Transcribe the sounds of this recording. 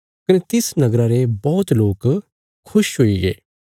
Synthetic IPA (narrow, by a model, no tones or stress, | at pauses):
kɐnet̪ɪsnɐɡɾaɾebɔːt̪loːk | kʰʊʃɦoiɡḛː